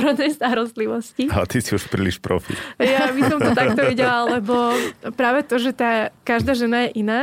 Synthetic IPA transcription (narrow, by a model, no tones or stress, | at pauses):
ɾɔd̪nɛjst̪aɾɔst̪liʋɔsciaat̪isiuʃpɾiliʃpɾɔ̰fḭtjaʋisɔmt̪ɔt̪ak̚t̪ɔʋiɟɛlalɛbɔpɾaːʋɛt̪ɔʒɛt̪aːkaʒd̪aːʒɛnajɛʔinaː